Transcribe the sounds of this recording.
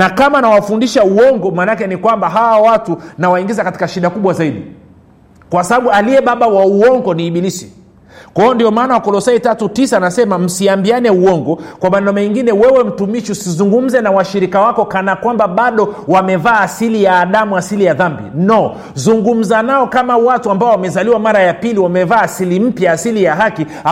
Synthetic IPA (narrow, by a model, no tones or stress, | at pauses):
nakamanawafundiʃauɔŋɡɔmaːnakɛnikwambaɦawawatunawaiŋɡizakati̥kaʃiɗakuɓwazaiɗḭ | kwasaɓaɓualiɛɓaɓawauɔŋɡɔniːɓilisi̥ | kwaɔndiɔmaːnawakɔlɔsaitatutisanasɛmam̩siambianɛuɔŋɡɔkwamanɔmɛŋɡinɛwɛwɛm̩tumiʃusizuŋɡum̩zɛnawaʃiɾikawakɔkanakwambaɓaɗɔwamɛvaːsilijaːɗamuasilijaðambḭnɔ | zuŋɡum̩zanaɔkamawatuambaɔwamɛzaliwamaɾajapiliwamɛvaːsilim̩pjaːsilijaɦaki | a